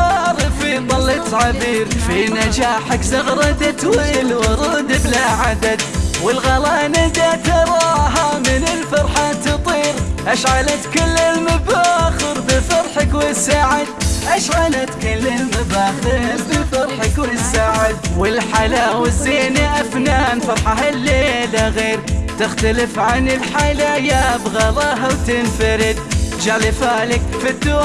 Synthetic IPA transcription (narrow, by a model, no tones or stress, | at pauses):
ɑɾˤɨfid̪ˤɑlːɑt̪ʕaðiːɾfinad͡ʒaːħakzɑɣɾˤɑt̪at̪wlwɑɾˤɑd̪ɪblaʕad̪ad̪wɪlɣɑlaːnad̪at̪ɑɾˤɑːɦamɪnɪlfɑɾˤħat̪ɨt̪ˤiːɾʔaʃʕalʔat̪kalːɪlmabaːxɪɾbɪlfɑɾˤħakwɪsaːʕɪd̪̚ʔaʃʕalat̪kalːɪlmabaːxɪɾbɪlfɑɾˤħakwɪsːaːʕɪd̪wɪlħalawɪzːeːnaʔafnaːnfɑɾˤħaɦalːeːlaɣeːɾt̪ɪxt̪alɪfʕanɪlħalajabɣɑlˤɑːɦawt̪ɪnfaɾɪd̪̚d͡ʒaʕlɪfaːlɪkfid̪ːuː